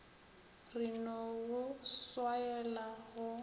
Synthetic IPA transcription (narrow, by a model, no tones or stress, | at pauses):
rinɔɣʊswaɛlaɣʊ